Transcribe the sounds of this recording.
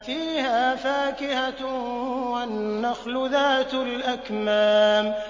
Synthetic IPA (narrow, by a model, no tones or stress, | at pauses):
fiːhaːfaːkɪha | wanːaxlʊðaːt̪lʔakmaːm